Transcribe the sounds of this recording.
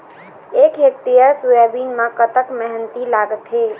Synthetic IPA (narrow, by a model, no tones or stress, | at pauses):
eːkɦek̚t̪ijəsujabiːnmãkət̪əkmɛɦɛnt̪ilaːɡət̪ɦeː